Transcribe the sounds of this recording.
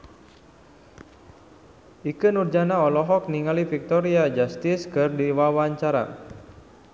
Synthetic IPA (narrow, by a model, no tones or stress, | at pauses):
ʔikɨnurd͡ʒanaɔlɔɦɔk̚niŋalifik̚t̪ɔɾiad͡ʒast̪ɪskɨrdiwawaɲt͡ʃaɾa̰